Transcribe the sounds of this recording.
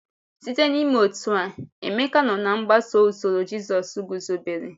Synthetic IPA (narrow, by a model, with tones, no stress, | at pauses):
si˦te˦ni˦me˦o˨tu˨a˨ḛ˨me˦ka˦nɔ˨na˨ŋ͡m̩˦ɡ͡ba˦so˦u˨zo˨ɾo˨d͡ʒi˦zɔ˨su˦ɡu˨zo˨be˨ɾi˨